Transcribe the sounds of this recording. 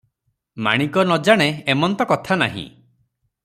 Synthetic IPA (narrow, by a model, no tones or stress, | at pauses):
ma̰ɽ̃ikɔnɔd͡ʒaɽ̃eemɔnt̪ɔkɔt̪ʰanaɦḭ̃